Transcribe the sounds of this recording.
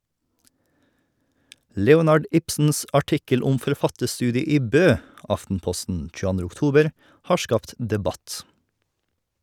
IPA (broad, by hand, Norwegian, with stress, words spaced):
ˈlɛʊnɑɖ ˈɪpsn̩s ɑˈʈɪkəl ˈʊm fɔɾˈfɑtəɾˌstʉːdɪə ˈiː ˈbøː ˈɑftn̩ˌpɔstn̩ c͡çʉəˈɑndɾə ʊkˈtuːbəɾ ˈhɑː ˈʃkɑːpt dɛˈbɑt